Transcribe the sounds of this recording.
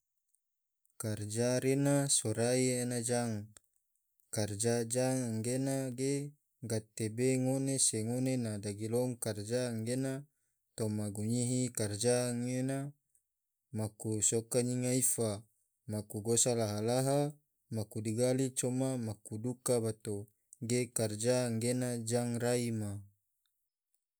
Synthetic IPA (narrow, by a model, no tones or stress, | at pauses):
kard͡ʒaɾenasɔɾaienad͡ʒaŋ | kard͡ʒad͡ʒaŋaŋɡenaɡe | ɡat̪ebeŋoneseŋonenadaɡilɔŋkard͡ʒaːŋɡena | t̪ɔmaɡuɲiɦikard͡ʒaŋena | makusɔkaɲiŋaifa | makuɡosalaɦalaɦa | makudiɡalit͡ʃɔmamakudukabat̪o | ɡekard͡ʒaŋɡenad͡ʒaŋraima